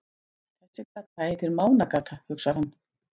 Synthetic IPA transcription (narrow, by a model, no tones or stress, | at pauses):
θɛhsɪkaːt̪aet̪ɪɾmaːwnakaːt̪ʰahʏksaɾ̥hanː